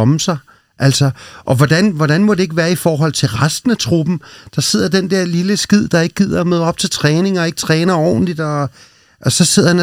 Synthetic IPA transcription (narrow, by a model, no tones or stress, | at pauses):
ɒmsɑ̈ɪ | ʔæl̰sɒʔɒ̽ʋɒd̥ænʋɒd̥ɾænmɒd̥e̝e̝ɡ̥əʋæːɐifɒːɦɒ̽l̰t͡sʰe̝lʁasd̥n̩æt͡sʰʁub̥n̩d̥ɑ̈se̝ð̰ˠɐd̥end̥ɛɐ̰liləsɡ̥ið̞̰ˠd̥ɑ̈e̝ɡ̥ə̥ɡið̞̰ˠɐɒmøːð̞ˠɒ̽b̥̚t͡sʰe̝lt͡sʰʁɛːne̝ŋɒ̽e̝ɡ̥t͡sʰʁɛːnɐɒ̰ːn̩lid̥ɒ̽ | ʔɒ̽sɒ̽se̝ð̰ˠɐhæn